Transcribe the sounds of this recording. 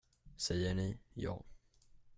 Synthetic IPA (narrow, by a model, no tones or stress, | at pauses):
sɛjːəɳɪjɑ̰ː